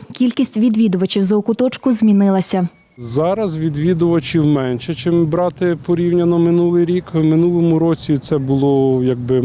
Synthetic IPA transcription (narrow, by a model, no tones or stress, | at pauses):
kʲilʲkʲisʲtʲʋʲid̪ʋʲid̪ʊʋɐt͡ʃʲiwzɐɔkʊt̪ɔt͡ʃkʊzʲmʲinɪlˠɐsʲɐ | zɑɾɐzʋʲid̪ʋʲid̪ʊʋɐt͡ʃiwmɛnʃɛt͡ʃɪmbɾɑt̪ɪpɔɾʲiwnʲɐnɔmɪnulˠɪjɾʲikwmɪnulˠɔmʊɾɔt͡sʲit̪sɛbʊlˠɔjɐɡ̚bɪ